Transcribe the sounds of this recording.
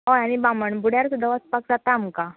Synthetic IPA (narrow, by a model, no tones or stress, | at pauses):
ɦojañibaməɳbuɽ̤jaɾsud̪ʱəʋat͡spak̚d͡zat̪amka